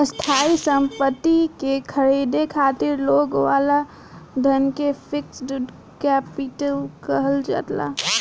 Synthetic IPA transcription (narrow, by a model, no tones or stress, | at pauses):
əst̪ʰaːisə̃mpət̪ːikekʰəɾiːd̪ekʰaːt̪ɪɾloːɡʋaːla | d̪ʱənkepʰɪksɖuɖ | kɛpɪʈəlkəɦəld͡ʒa̰t̪la̰